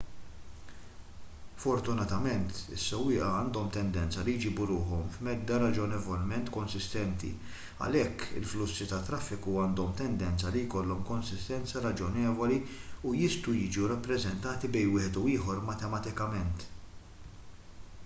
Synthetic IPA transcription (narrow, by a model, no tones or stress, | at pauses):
fɔɾt̪ʊnɐt̪ɐmɛnt̪ɪ̰sːɛwːɪːʔɐɐːnd̪ɔmt̪ɛnd̪ɛnt͡sɐlɪjd͡ʒiːbuɾʊːħɔmfmɛd̪ːɐɾɐd͡ʒɔnɛvɔlmɛnt̪kɔnsɪst̪ɛnt̪ḭ | ɐ̰lɛkːɪ̰lflʊsːit̪ɐt̪ːɾɐfːɪkuɐːnd̪ɔmt̪ɛnd̪ɛnt͡sɐlijkɔlːɔmkɔnsɪst̪ɛnt͡sɐɾɐd͡ʒɔnɛːvɔliujɪst̪ujɪːd͡ʒuɾɐpːɾɛzɛnt̪ɐːt̪ibɛjnwɪːħɛt̪uɪːħɔɾmɐt̪ɛmɐt̪ɪkɐmɛnt̪